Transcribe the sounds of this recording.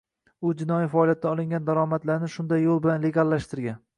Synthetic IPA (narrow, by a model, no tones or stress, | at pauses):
ʊd͡ʒɪnɒjifalˠijat̪ːaɒlˠɪŋɡʲand̪aɾɒmat̪laɾnɪʃʊnd̪ajːolˠbɪlanle̞ɡʲalˠːaʃt̪ɪɾɡʲan